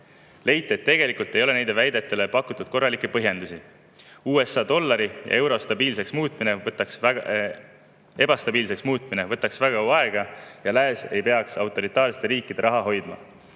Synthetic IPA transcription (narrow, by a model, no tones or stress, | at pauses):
le̞jt̪ːˑet̪ːe̞ɡ̥e̞likult̪ːˑe̞jole̞nejd̪evæjd̪e̞t̪ːˑe̞le̞pɑkːut̪ːˑud̪̥̚ko̞rːɑlikːˑepɤɦje̞nd̪usi | uːe̞sːɑd̪̥o̞lːɑɾijʔɑ̰e̞wɾo̞st̪ɑbiːlse̞ksmuːt̪minevɤt̪ːˑɑks | e̞bɑst̪ɑbiːlse̞ksmuːt̪̚ːˑmine̞vɤt̪ːˑɑksvæɡ̥ɑuɑe̞ɡ̥ɑjɑlæese̞̰jpe̞ɑksɑwt̪ːˑo̞ɾit̪ːˑɑːɾsi̥t̪eɾiːkːˑid̪̥e̞ɾʔɑɦɑɦo̞jd̪̥mɑ̰